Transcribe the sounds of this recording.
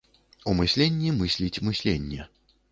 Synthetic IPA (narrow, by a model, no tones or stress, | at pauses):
umɨsʲlʲenʲːimɨsʲlʲit͡sʲmɨsʲlʲenʲːɛ